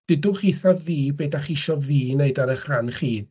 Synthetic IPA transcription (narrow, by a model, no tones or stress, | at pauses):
d̥ɪdʊχiθaviːbedaχiʃɔviːneɨdaɾəχranχiːd